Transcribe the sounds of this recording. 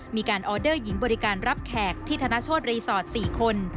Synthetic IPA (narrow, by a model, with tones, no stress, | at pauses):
miː˧kaː˧nʔɔː˧dɤː˥˩ji˩˦ŋbɔː˧ɾi˦˥kaː˧nɾa˦˥p̚kʰɛː˨˩k̚t̪ʰːiː˥˩t̪ʰaː˧na˦˥t͡ɕʰoː˥˩t̪̚ɾiː˧sɔː˨˩t̪̚siː˨˩kʰo˧n